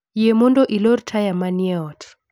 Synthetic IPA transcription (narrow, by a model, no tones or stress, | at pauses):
jemɔndoʔilɔrtʰajamaniɛɔtʰ